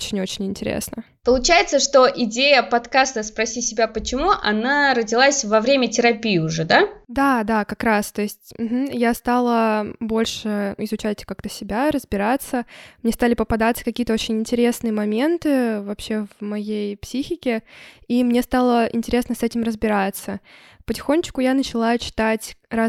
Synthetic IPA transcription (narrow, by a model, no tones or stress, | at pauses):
ot͡ɕɪnʲo̞t͡ɕɪnʲɪnʲtʲɪɾʲḛsnə | pəlˠʊt͡ɕæjɪt̪səʂt̪oʔɪdʲejəpɐt̪kast̪əspɾɐsʲisʲɪbʲapət͡ɕɪmuʔɐnaɾədʲɪlˠasʲvɐvɾʲemʲətʲɪɾɐpʲijɪʊʐɛd̪ad̪ad̪akɐkɾast̪o̞ɪsʲtʲm̩ɦm̩jast̪alˠəbo̞lʲʂɨɪzʊt͡ɕæt̚ʲkak̚t̪əsʲɪbʲaɾəzbʲɪɾat̪səmnʲe̞st̪alʲɪpəpɐd̪at̪sə̥kɐkʲijət̪əot͡ɕɪnʲɪnʲtʲɪɾʲe̞snɨjəmɐmʲe̞nt̪ɨvɐpɕːe̞vmɐjejpsʲixʲɪkʲɪimnʲe̞st̪alˠəʔɪ̰nʲtʲɪɾʲe̞snəsɛtʲɪmrəzbʲɪɾat̪sə | pətʲɪ̥xo̞nʲt͡ɕkʊjanət͡ɕɪlˠat͡ɕɪ̥t̪atʲra